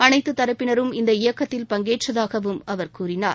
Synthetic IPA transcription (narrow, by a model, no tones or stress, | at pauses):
ɐnɐɪt̪ːɯt̪ːɐɾɐpːɪnɐɾɯmɪnd̪ɐɪjɐkːɐt̪ːɪlpɐŋɡeːʈrɐðaːɣɐʋɯmɐʋɐɾkuːɾɪnaːɾ